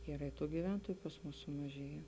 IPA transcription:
ˈiːrɐ ɪ ˈtuː ɡʲiːˈʋʲɛntoːjʊ pɐs ˈmʊs sʊmɐˈʒʲeːjɛ

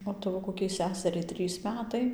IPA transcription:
oː ˈtɑːʋoː koːˈkʲɛɪ ˈsʲæːsʲɛrʲɛɪ ˈtʲrʲiːs ˈmʲæːtɐɪ

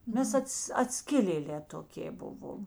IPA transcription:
ˈmʲɛs ˈɐts ɐtʲˈsʲkʲɪlʲeːˌlʲɛː toːˈkʲeː ˈbʊʋoːm

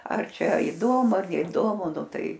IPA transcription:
ɐr ˈt͡ʃʲɛ ɪˈdoːmʊ ɐr nʲɛɪˈdoːmʊ ˈnʊ ˈtɐɪ

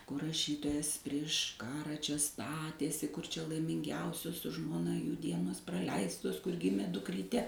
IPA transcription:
kʊr rɐˈʃʲiːtoːjɛs pʲrʲiɛʃ ˈkɑːrɐ ˈt͡ʃʲɛ ˈstɑːtʲeːsʲɪ kʊr ˈt͡ʃʲɛ lˠɐɪmʲɪŋʲˈɡʲɛʊsʲoːs sʊ ʒmoːˈnɐ juː ˈdʲiɛnoːs prɐˈlʲɛɪstoːs kʊr ˈɡʲɪmʲeː dʊkˈrʲiːtʲɛ

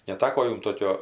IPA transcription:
nʲɛˈtɑːkoː ˈjʊm ˈtoːkʲoː

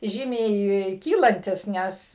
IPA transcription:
ˈʒʲiːmʲɛɪ ˈkʲiːlˠɐnʲtʲɪs ˈnʲɛs

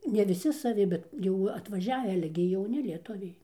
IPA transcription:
nʲɛ ʋʲɪˈsʲɪ sɐˈʋʲɪ ˈbʲɛt jɛʊ ɐtʋɐˈʒʲæːʋʲɪ ˈɑːlʲɛ ɡʲɪ jɛʊˈnʲɪ lʲiɛˈtʊʋʲɛɪ

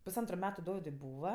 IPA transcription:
pʊsˈɐntrʊ ˈmʲæːtʊ ˈdoːʋʲɪdʊɪ ˈbuːʋɐ

